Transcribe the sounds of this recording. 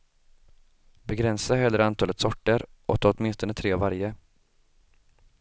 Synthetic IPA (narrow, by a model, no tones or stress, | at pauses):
bɛɡɾɛnsaɦɛlːəɾant̪ʰɑːlət̪sɔʈːəɾʔɔt̪ːɔt̪mɪnst̪ɔnət̪ʰɾeːvaɾjə